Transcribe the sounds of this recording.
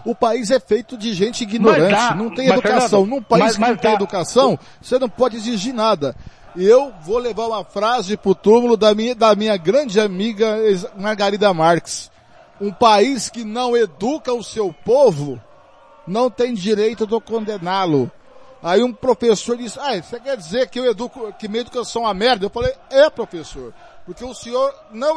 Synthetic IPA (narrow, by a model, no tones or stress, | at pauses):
ʊpaizɛfejt̪ʊd͡ʒɪʒẽnt͡ʃɪiɡinoɾɐ̃t͡ʃɪnɐ̃w̃t̪ẽj̃ed̪ukasɐ̃w̃nũpaiskɪnɐ̃w̃t̪ẽed̪ukasɐ̃w̃ | senɐ̃w̃pɔd͡ʒɪeziʒiɾnad̪ɐ | ewvolevaɾũmɐfɾazɪpɾʊt̪umʊlʊd̪ɐmĩɐd̪ɐmĩɲɐɡɾɐ̃d͡ʒɪamiɡɐemaɾɡaɾid̪ɐmaɾkɪ̥s | ũpaiskɪnɐ̃w̃ed̪ukɐʊsewpovʊ | nɐ̃w̃t̪ẽj̃d͡ʒiɾejt̪ʊd̪ɪkõnd̪enalʊ | aiũpɾofesoɾd͡ʒisɪajsekɛɾd͡ʒizeɾkɪewed̪ukʊkɪmiɐed̪ukasɐ̃w̃ɐmɛɾd̪ɐewfalejɛpɾofesoɾ | poɾkeʊsẽɲoɾ | nɐ̃w̃